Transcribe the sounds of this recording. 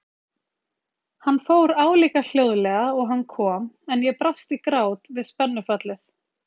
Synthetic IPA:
hanːfoːwɾaːwliːkal̥joːwðlɛɣaɔɣɦanːkʰɔːmɛnjɛpɾafst̪ikɾaːwt̪vɪðspɛnːʏfat̪lɪθ

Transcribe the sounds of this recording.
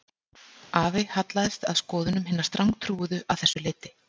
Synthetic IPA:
ʔaːvɪhat̪laðɛst̪a̰ðskɔːðʏnʏmɦɪnːast̪ɾaŋkt̪ʰɾuːʏðʏʔawθɛsːʏlɪːt̪ɪ

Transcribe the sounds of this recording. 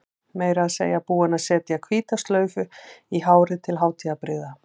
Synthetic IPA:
meːjɾaðsḛːjapuːɪnasɛːt̪ɪakʰviːt̪ast̪lœːɥvʏiɦaːwɾɪt̪ʰɪlɦaːwt̪ʰiapɾɪða

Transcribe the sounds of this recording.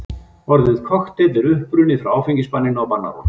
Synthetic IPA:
vɔɾðɪð̥kʰɔxt̪ɛt̪vɪɾʏhpɾʏnɪθɾawaːwfiɲcɪspanːɪnawpanːa̰ɾɔ̰

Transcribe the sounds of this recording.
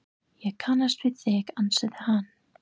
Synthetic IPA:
jɛɣkʰanːast̪vɪðɛɣansɛðɪhan

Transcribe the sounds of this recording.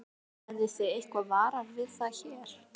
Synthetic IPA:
ɛɾðɪseejhkvaðvaːɾavɪðθaðçɛːɾ̥

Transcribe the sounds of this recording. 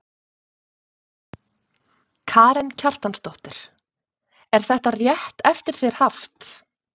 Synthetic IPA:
kʰaːɾɛncʰar̥t̪anst̪ɔht̪ʏɾ̥ | ɛɾ̥θɛht̪arjɛht̪ɛft̪ɪɾ̥θeɾ̥haft̪

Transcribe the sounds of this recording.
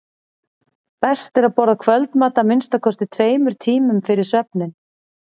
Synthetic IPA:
pɛst̪ɛɾaðpɔɾðakʰvœlt̪maɾ̥t̪amɪnst̪akʰɔst̪ɪt̪ʰveːjmʏɾ̥t̪ʰiːmʏmfɪɾɪɾ̥svœp̚nɪn

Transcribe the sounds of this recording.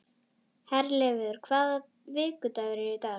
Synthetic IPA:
hɛɾlɛːvɪðʏɾ̥kʰvaːða | vɪːkʏt̪aɣɾɪɪt̪a

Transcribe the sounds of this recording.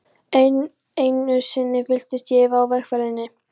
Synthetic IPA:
ejnʏsɪnːɪfɪl̥t̪ɪst̪jɛːvaːwvɛxfɛɾðɪnːɪ

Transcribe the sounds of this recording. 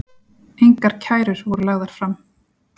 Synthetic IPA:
ejŋkaɾ̥cʰaːjɾʏɾ̥vɔɾʏlaɣðaɾ̥fɾam

